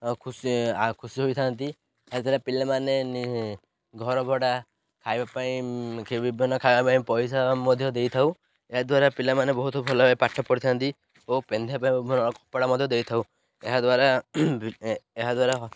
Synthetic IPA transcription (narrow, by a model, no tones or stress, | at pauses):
kʰuskʰusiɦojt̪ʰant̪i | ad̪ʰilapilamaneni | ɡʱɔɾɔbʱɔɽa | kʰajbapaĩkebibʱinɔkʰajbapaĩpɔjsamɔd̪ʱjɔd̪ejt̪ʰaw | eɦad̪waɾapilamanebɔɦut̪ɔbʱɔlɔepaʈʰːɔpɔɽit̪ʰant̪i | opend̪ʱapaĩbibʱnɔkɔpaɽamɔd̪ʱjɔd̪ejt̪ʰaw | eɦad̪waɾabeɦad̪waɾaɦ